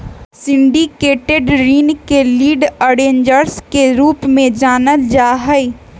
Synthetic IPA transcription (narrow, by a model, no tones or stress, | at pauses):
sɪ̃ɳɖikeːʈeɖɾiːnkeliːɖəɽẽːɲd͡ʒəɾskeɾuːpmẽd͡ʒaːnəld͡ʒaːɦəi